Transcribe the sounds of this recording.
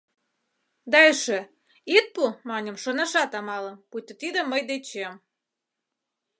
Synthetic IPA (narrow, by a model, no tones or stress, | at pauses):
d̪ɑeʃe | it̪̚pumɑnʲə̆mʃonɑʃɑt̪ɑmɑlə̆mput̪ə̆t̪id̪ə̆mːəjd̪et͡ɕem